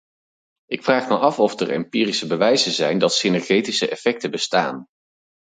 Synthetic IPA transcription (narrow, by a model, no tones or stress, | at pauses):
ʔɪkfraːχməʔɑfɔfdəɹɛ̰mpiːrisəbəʋɛjzəzɛjndɑtsenɛɹχejtisəʔɛfɛk̚təbəsta̰ːn